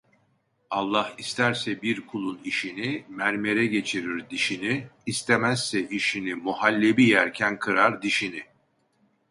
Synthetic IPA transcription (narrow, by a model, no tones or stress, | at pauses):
ɑlˠːahist̪ʰæɾsɛbiɾkʰulˠuniʃinimæɾme̞ɾɛɟe̞t͡ʃʰiɾiɾd̪iʃiniːst̪ʰe̞mæsːɛiʃinimuhalʲːebijæɾcʰænkʰɯɾaɾd̪iʃini